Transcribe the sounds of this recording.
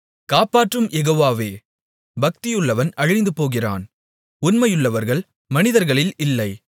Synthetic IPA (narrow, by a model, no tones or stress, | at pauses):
kaːpaːʈrɯmjɛɣoːʋaːʋeː | bɐk̚t̪ɪjɯɭːɐʋɐnɐɻɪnd̪ɯpoːɣɪra̰ːn | ʊnmɐjɯɭːɐʋɐɾɣɐɭ | mɐnɪðɐɾɣɐɭɪlɪlːɐɪ